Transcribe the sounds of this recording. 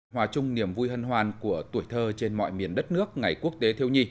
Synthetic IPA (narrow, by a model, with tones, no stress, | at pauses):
ɦwaː˨˧˩t͡ɕʊ˧ŋ͡mni˨˩əmvu˧jɦə˧nɦwaː˨˩nku˧˩ət̪u˧˩əjt̪ʰəː˧t͡ɕe˧nmɔ̰˧˨jmi˨˩ənɗə˦˥t̚nɨ˦˥ək̚ŋa˨˩jku˦˥ək̚t̪e˨˦t̪ʰi˧əwɲi˧